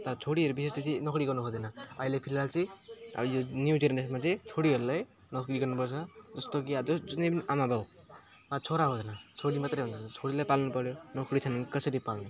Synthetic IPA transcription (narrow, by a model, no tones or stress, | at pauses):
t̪ʌɾt͡sʰoɽiɦʌɾubisesd̪ʌsinʌkɽiɡʌrnubʱʌd̪ʌnʌʌilepʰilalt͡sʌj̰jonjud͡zeɾnesmat͡sʌ̃j̃t͡sʰoɽiɦʌɾulaj | nʌkɾiɡʌrnupʌrt͡sʰʌd͡zʌst̪okiad͡zʌd͡zʌnejpʌniʔamabaw | mat͡sʰoɾaɦod̪ʌnʌt͡sʰoɽimat̪rʌjɦunt͡sʰʌnt͡sʰoɽilajpalnupʌɾjonʌkɽit͡sʰʌnnikʌsʌɾipalnu